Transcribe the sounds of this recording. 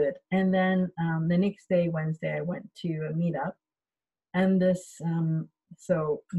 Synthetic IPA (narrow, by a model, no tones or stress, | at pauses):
ɪɾɨ̃nðɨ̃nʌ̃mðɨnɛksd̥eɪwɛ̃nzdeɪaɪwɛ̃ntʰɨmiɾʌp̚ | ɨ̃nðɪsʌ̃m | soʊ